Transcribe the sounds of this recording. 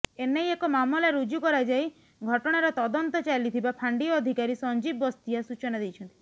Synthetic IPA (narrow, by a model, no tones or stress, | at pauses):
enejekɔmamɔlaɾud͡ʒukɔɾajd͡ʒaj | ɡʱɔʈɔɽ̃aɾɔt̪ɔd̪ɔnt̪ɔt͡ʃalit̪ʰibapʰaɳɖiɔːd̪ʱikaɾisɔnd͡ʒibɔst̪iasut͡ʃɔnad̪ejt͡ʃʰɔnt̪i